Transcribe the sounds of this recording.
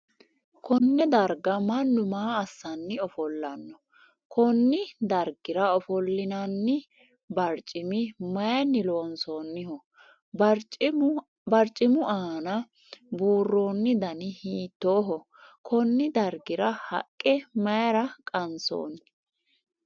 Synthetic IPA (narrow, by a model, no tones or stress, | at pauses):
kɔnːɛd̪ɐɾɡɐmɐnːʊmaːɐsːɐnːɪɔfɔlːɐnːɔ | kʰɔnːɪd̪ɐɾɡɪɾɐɔfɔlːɪnɐnːɪ | bɐɾt͡ʃʼːɪmɪmɐjɐnːɪloːnsoːnːɪhɔ | bɐɾt͡ʃʼɪmʊʔaːnɐ | buːrːo̞ːnːɪd̪ɐnɪhiːt̪ːoːɦɔ | kʰɔnːɪd̪ɐɾɡɪɾɐhɐ̰kʼːɛmɐjɐɾɐkʼɐnso̰ːn